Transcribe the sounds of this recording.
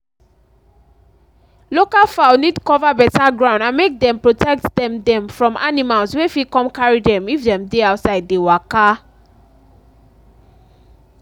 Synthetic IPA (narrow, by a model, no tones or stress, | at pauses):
lokalfaʊnidkɔvabɛtaɡɹãʊ̃ndãnmek̚dɛ̃mpɹotʰɛk̚tdɛ̃mdɛ̃mfɹɔ̃ma̰nimalswefikɔ̃mkaɹidɛ̃mifdɛ̃mdeaʊtsaɪd̚dewaka